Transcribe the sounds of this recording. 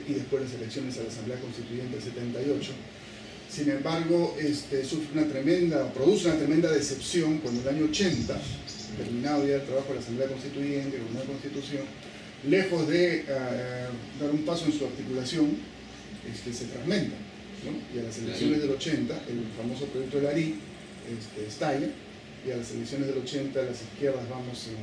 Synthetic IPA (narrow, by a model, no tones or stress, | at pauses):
iðespwe̞zlas̬e̞leksjo̞ne̞salasamble̞akonst̪it̪uʝe̞nt̪ease̞t̪e̞nt̪ajo̞t͡ʃo̞ | sinẽ̞mbaɾɣ̞o̞ʔest̪esufɾeunat̪ɾemẽnd̪apɾo̞ðuseunat̪ɾe̞mend̪aðe̞se̞psjo̞ŋkwand̪oelaɲoːt͡ʃe̞nt̪a | t̪e̞ɾmĩnað̞o̞ʝaelt̪ɾaβaxo̞lasambleakonst̪it̪uʝe̞nt̪elomaako̞nst̪it̪usjo̞n | lexo̞zðea | d̪aɾumpaso̞ensuaɾt̪ikulasjo̞ŋ | est̪ese̞fɾaɣmẽ̞nt̪a | no̞ialase̞leksjo̞nezðe̞lo̞t͡ʃe̞nt̪aʔelfamo̞so̞pɾojek̚t̪o̞elaɾi | est̪eːst̪aʎa | ialase̞leksjo̞nezðe̞lo̞t͡ʃe̞nt̪alaseskje̞ɾðazβamo̞se